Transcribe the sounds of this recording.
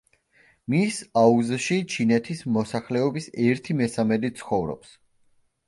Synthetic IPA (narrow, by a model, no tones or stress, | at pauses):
misauzʃit͡ʃʰinɛt̪ʰismɔsaχlɛɔbisɛɾt̪ʰimɛsamɛd̪it̪sʰχɔvɾɔ̰ps